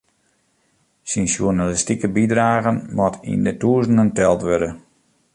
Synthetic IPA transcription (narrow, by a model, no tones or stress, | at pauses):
sinsjunalistikəbidraːɣənmɔtʰḭndətuəzənəntɛlˠtʋødə